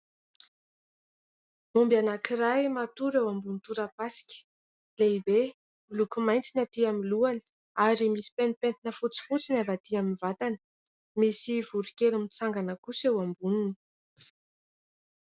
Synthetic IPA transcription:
mumbjanakirajmat̪uɾewambunt̪uɾapasi̥kʲə̥ | leibe | ulukumajnt͡sinat̪iamiluanə̥ | aɾimisi̥penpent̪inəfut͡si̥fut͡sinavat̪iaminvat̪anə̥ | misivuɾikelumit͡saŋɡanəkusewambunin

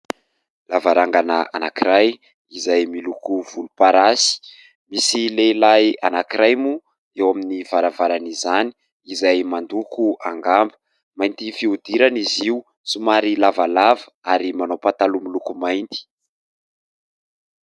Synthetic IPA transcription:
lavaɾaŋɡanaa̰nakiɾaj | izajmilukuvulupaɾasi̥ | misilelajanakiɾajmu | ewaminivaɾavaɾanizani̥ | izajmand̪ukuʔaŋɡambə | majnt̪ifiud̪iɾaniziu | sumaɾilavalavə̥aɾimanowpat̪alumilukumajnt̪i̥

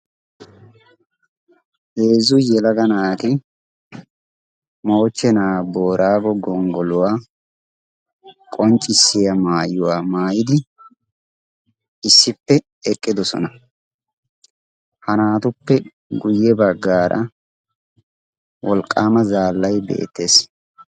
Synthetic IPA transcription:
heːzʊjɛlɐɡɐnaːt̪ɪ | mo̞ːt͡ʃːɛnaːbo̞ːɾʔaːɡɔɡɔŋɡɔlʊwaː | kʼɔnt͡ʃʼːɪsːɪjɐmaːjːʊwaːmaːjɪd̪ɪ | ɪsːɪpːɛ | ɛkʼːɪd̪ɔsɔ̰nɐ | hɐnaːt̪ʊpːɛ | ɡʊjːɛbɐɡːaːɾʔɐ̰ | wɔlkʼːaːmɐzaːlːɐjbḛːt̪ːe̞ːs

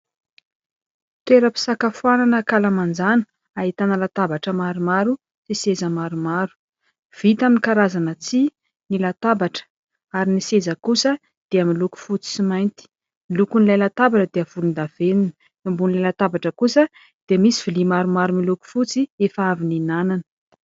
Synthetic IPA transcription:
t̪eɾəpi̥sakafuananəkalamand͡zanə̥ | aɦit̪anəlat̪abaʈ͡ʂəmaɾumaɾu | sisezəmaɾumaɾu̥ | v̥it̪aminkaɾazanət͡si | nilat̪abaʈ͡ʂə̥ | aɾinisezəkusə | d̪̥eəmiluku̥fut͡si̥simajnt̪i̥ | milukunlajlat̪abaʈ͡ʂəd̪eəv̥ulund̪av̥eninə | imbunilajlat̪abaʈ͡ʂəkusə | d̪̥eəmisi̥v̥ilimaɾumaɾumiluku̥fut͡siefəavininananə̥

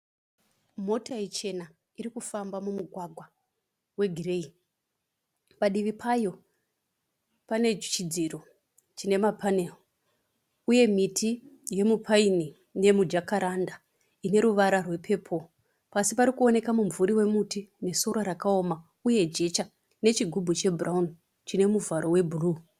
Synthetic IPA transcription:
mo̞tait͡ʃe̞na | iɾikufambamumuɡʱwaɡʱwa | we̞ɡʱire̞i | paɗiʋipʰajo̞ | pane̞d͡ʒt͡ʃid͡ziro | t͡ʃine̞mapʰanel | uje̞mitʰije̞mupʰaini | ne̞mud͡ʒakaɾanda | ine̞ɾuʋaɾarwe̞pʰe̞ːpʰo̞ | pasipaɾikuo̞ne̞kamumvuɾiwe̞mutineso̞ɾaɾakao̞ma | uje̞d͡ʒe̞t͡ʃa | ne̞t͡ʃiɡʱubʱut͡ʃe̞bʱuraun | t͡ʃine̞muvaɾo̞we̞bʱuruː

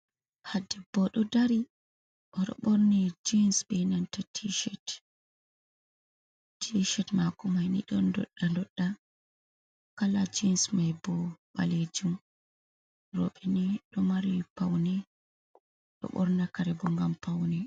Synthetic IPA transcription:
hadɛbɔɗɔdaɾi | ʔɔɗɔ̰ɓɔɾnɛd͡ʒinsbɛnantatʰiʃɛt | tiʃɛtmakɔmajnḭɗɔndɔ̰ɗːandɔɗːa | kalad͡ʒinsmajbɔɓa̰led͡ʒum | ɾɔ̰ɓɛniɗɔmaɾipawnɛ | ɗɔ̰ɓɔ̰ɾnakaɾɛbɔŋɡampawnɛ

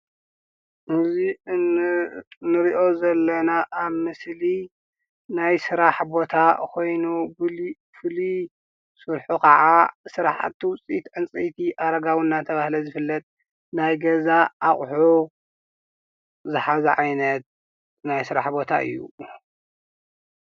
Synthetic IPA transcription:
ʔɨzi | nɨɾiʔo̞zɐlːɐnaʔːβmɨsli | najsɨɾaħbo̞t̪ʰakʰo̞jnu | fɨli | suɾħukʰɐʕasɨɾa̰ħa̰t̪ʰːiwʊt͡sʼit̪ʕɨnt͡sʼit̪ʰiʔaɾɐɡawunːat̪ʰɐβahlɐzɨfɨlːɐt̪ʼ | najɡɐzaʔːχʼħu | zɨħazɐʕajnɐt̪̚ | najsɨɾa̰ħbo̞t̪ʰaʔɨ̰jːṵ

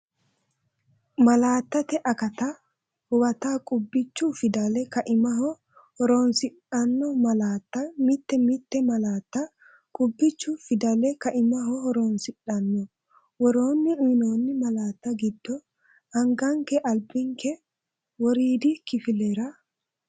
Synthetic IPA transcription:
mɐlaːt̪ːɐt̪ɛʔɐkɐt̪a | hʊwɐt̪aːkʼʊbːɪt͡ʃːufɪd̪ɐlɛkɐʔɪmɐɦɔ | hɔɾoːnsɪᶑɐnːɔmɐlaːt̪ːɐmɪt̪ːɛmɪt̪ːɛmɐlaːt̪ːɐ | kʼʊbːɪt͡ʃːʊfɪd̪ɐlɛkɐʔɪmɐɦɔhɔɾoːnsɪᶑɐnːɔ | wɔɾo̞ːnːɪɪno̞ːnːɪmɐlaːt̪ːɐɡɪd̪ːɔ | ɐŋɡɐŋkɛʔɐlbɪŋkɛ | wɔɾiːd̪ɪkɪfɪlɛɾɐ

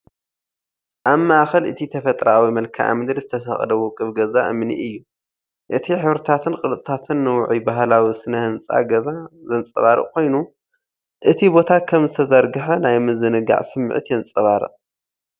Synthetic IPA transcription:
ʔaβmaʔaxɐlʔɨ̰t̪ʰit̪ʰɐfɐt̪ʼɾawimɐlkʰaʔa̰mɨd̪ɾizɨt̪ʰɐsɐxʼlɐwokʼɨβɡɐzaʔɨ̰mnḭʔɨjːu | ʔɨt̪ʰiħɨβɾɨt̪ʰat̪ʰɨnkʼɨlt̪ʼɨt̪ʰat̪ʰɨnːɨwʊʕibaɦlawisɨnɐhɨnt͡sʼa̰ɡɐzazɐnt͡sʼɐβaɾɨ̰ʔkʰo̞jnu | ʔɨt̪ʰibo̞t̪ʰakʰɐmzɨt̪ʰɐzɐɾɡɨħɐnajmɨzɨnɨɡa̰ʕsɨm̰ːʕɨ̰t̪jɛnt͡sʼɐβaɾɨ̰ʔ

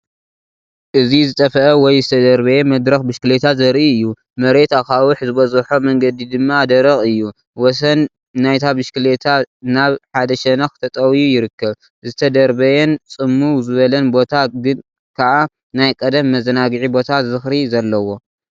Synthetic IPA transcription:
ʔɨzizɨt̪ʼɐfɐʔɐwɔjzɨt̪ʰɐd̪ɐɾbɐjɛmɐd̪ɾɐxbɨʃkɨlet̪ʰazɐɾʔiɨjːu | mɐɾe̞t̪akawɨħzɨβɐzɨħomɐŋɡɐd̪id̪ɨmːad̪ɐɾɐxʼɨjːu | wɔs̬ɐnː | ajt̪ʰabɨʃkɨlet̪ʰanaβħad̪ɐʃɛnɐxt̪ʰɐt̪ʼɐwjujɪɾɨkːɐβ | zɨt̪ʰɐd̪ɐɾbɐjɛnt͡sʼɨmːuwzɨβɐlɐnbo̞t̪ʰaɡɨn | kʰaʔa | najkʼɐd̪ɐmːɐzɐnaɡɨʕibo̞t̪ʰazɨzɨxɾizɐlːɐwo̞

